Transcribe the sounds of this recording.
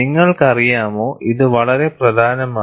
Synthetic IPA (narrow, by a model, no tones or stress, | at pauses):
iŋːɐɭkɐrijaːmoːʔiðɨʋɐɭɐɾeprɐd̪ʱaːnɐmaː